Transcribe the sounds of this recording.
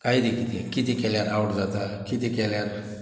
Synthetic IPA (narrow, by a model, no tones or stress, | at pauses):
kajd̪ikit̪ikit̪ikɛljaɾawʈd͡zat̪akit̪ikɛljaɾ